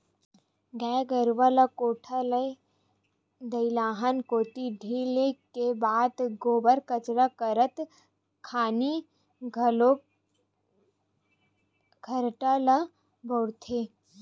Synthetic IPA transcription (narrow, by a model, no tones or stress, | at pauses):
ɡɛːɡəɾʋalɐkoːʈʰalə | d̪ɐilaːɦənkoːt̪iɖʱiːlekebaːd̪ɡoːbəɾkət͡ʃɾakəɾət̪ | kʰaːni | ɡʱlo | ɡʱɐɾʈala | bʱoɽt̪ʰe